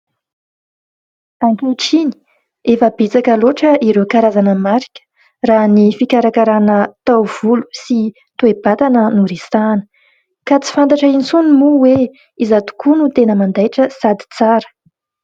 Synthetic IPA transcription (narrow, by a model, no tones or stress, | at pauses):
aŋkeʈ͡ʂini̥ | efəbet͡sakəloʈ͡ʂəiɾekaɾazanəmaɾikʲə̥ | ranifikaɾakaɾanət̪awv̥ulu̥si | t̪ueb̥at̪anənuɾesanə̥ | kat͡si̥fant̪aʈ͡ʂəint͡sunimuwe | izat̪u̥kunut̪enəmand̪ajʈ͡ʂəsad̪i̥t͡saɾə̥